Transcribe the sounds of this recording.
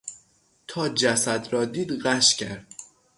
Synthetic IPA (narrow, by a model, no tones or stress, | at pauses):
t̪ʰɒːd͡ʒæsæd̪ɾɒːd̪iːd̪ɣæʃcʲʰæɾd̪̥̚